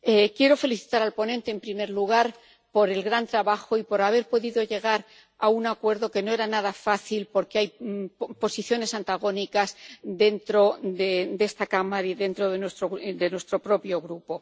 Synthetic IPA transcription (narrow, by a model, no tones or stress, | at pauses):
ekje̞ɾo̞fe̞liθi̥t̪aɾalpo̞nẽnt̪e̞ːmpɾime̞ɾluɣ̞aɾ | po̞ɾe̞lɣɾant̪ɾaβaxo̞ipo̞ɾaβ̞e̞ɾpo̞ðiðo̞ʝe̞ɣ̞aɾ | aunakwe̞ɾðo̞ke̞no̞e̞ɾanaðafaθilpo̞ɾke̞ajpo̞siθjo̞ne̞sant̪aɣ̞o̞nikazd̪e̞nt̪ɾo̞ded̪e̞st̪akamaiðe̞nt̪ɾo̞ðenwe̞st̪ɾod̪e̞nwe̞st̪ɾo̞pɾo̞pjo̞ɣɾupo̞